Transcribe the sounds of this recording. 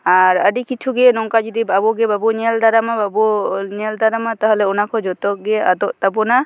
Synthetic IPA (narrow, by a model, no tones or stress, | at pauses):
aɾəɖikit͡ʃʰuɡɛnɔŋkad͡ʒid̪ibabɔɡɛbabɔɲɛld̪aɾamababɔɲɛld̪aɾamat̪aɦlɛɔnakʰɔd͡ʒɔt̪ɔʔɡɛa̰d̪ɔʔt̪abɔna